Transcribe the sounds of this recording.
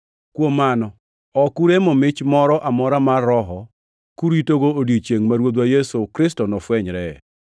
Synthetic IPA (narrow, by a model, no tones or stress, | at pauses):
kwomanɔ | ɔkuɾemɔmɪt͡ʃmɔɾɔʔamɔɾamarːɔɦɔ | kuɾitoɡoodit͡ʃeŋmaɾwod̪wajesokɾɪstonɔfwɛɲɾɛ